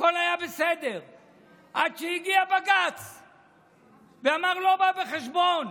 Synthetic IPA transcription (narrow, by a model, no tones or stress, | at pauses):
akolajabesed̪eʁ | ʔadʃejiɡiabaɡat͡s | veamaʁlo̞babeχeʃbon